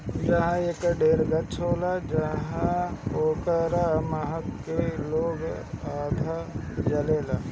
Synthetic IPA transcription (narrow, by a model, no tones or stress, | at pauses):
d͡ʒɐɦãeːkɖeːɾɡət͡ʃʰoːlad͡ʒəɦãoːkəɾaməɦəkːeloːɡaːd̪ʱad͡ʒɐleːlaː